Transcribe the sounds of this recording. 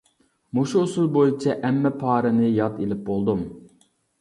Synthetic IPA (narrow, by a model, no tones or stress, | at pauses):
muʃuːsulˠbojit͡ʃʰɛʔɛmːɛpʰɑːɾɨnɨjɑt̪elɪp̚bolˠd̪um